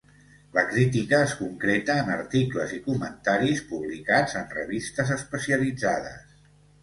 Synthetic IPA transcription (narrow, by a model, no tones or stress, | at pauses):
ləkɾit̪̬ikəːskuŋkɾet̪əːnəɾt̪ikləzikumənt̪aɾispuβlikad͡zənrə̰βist̪əzəspəsiəlid͡zaðə̰s